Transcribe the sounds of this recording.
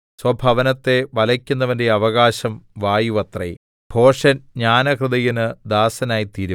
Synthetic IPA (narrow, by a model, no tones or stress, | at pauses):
swɐbʱɐʋɐnɐt̪ːe̞ʋɐlɐkʲːunːɐʋɐnde̞ɐʋɐɣaːɕɐmʋaːjuʋɐt̪rɐ̰j | b̥ʱo̞ːʂɐnɲaːnɐkrɨðɐjinɨd̪aːsɐnaːjit̪iːɾu